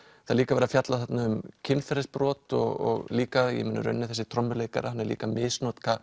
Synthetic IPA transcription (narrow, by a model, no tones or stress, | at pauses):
θaðliːkavɛːɾafjat̪laðθat̪naʏmcʰɪnfɛɾɪspɾɔːt̪ɔ̰ɣɔ̰ɣliːkajɛ̰mɪnːʏ̰ɾœ̰nːɪθɛsɪ̥t̪ʰɾɔmːʏɾleːjka̰ɾahanːɛɾlḭːkamɪːsnɔt̪kʰa